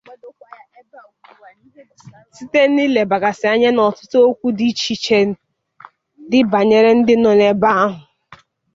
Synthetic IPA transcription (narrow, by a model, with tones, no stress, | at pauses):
si˦te˦ni˦le˨ba˨ɡa˨sɪ˨a˨ɲe˦nɔ˨tʊ̥˦to˦o˦kʷu˦di˦t͡ʃi˨t͡ʃe˦ | dɪ˦ba˨ɲe˨ɾe˦n̩˦dɪ˦nɔ˨ne˨ba˦a˦ɦʊ˨